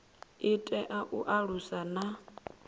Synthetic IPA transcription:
itʼɛʔaʔuʔaɺusana

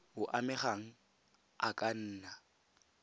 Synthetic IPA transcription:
ʊʔamɛχaŋ̩ | akʼan̩ːna

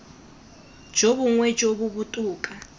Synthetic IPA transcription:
d͡ʒoβuŋwɛd͡ʒoβuβutʼuːkʼa

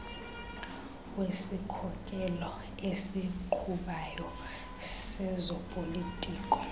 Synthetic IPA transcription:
wesikʰɔkʼɛlɔ | esiǃʰuɓajɔ | sɛzɔpʼolitʼiːkʼɔ̥

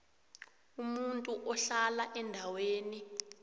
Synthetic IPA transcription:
umuntʼuʔɔɬalaʔɛndʱaweːni

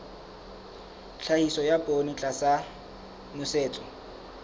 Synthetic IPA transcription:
ɬʰahisɔjapʼonit͡ɬʼasa | mʊseːt͡sʼɔ̥

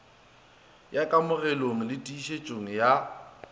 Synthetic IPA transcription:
jakʼamʊrɛloŋ̩lɪtʼiːʃet͡ʃʼoŋ̩ja

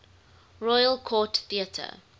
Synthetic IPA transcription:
ɹɔjəlkʰɔːtθiətʰə̰

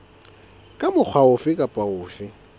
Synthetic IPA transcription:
kʼamʊk͡xʰwaʊfɪkʼapʼaʊːfɪ

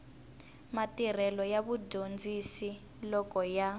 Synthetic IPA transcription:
matir̤ɛlɔjaβudʱond͡zisi | lɔkɔja

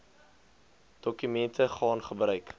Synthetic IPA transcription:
d̥ɔkymɛntʰəχɑːnχəbrœɥk

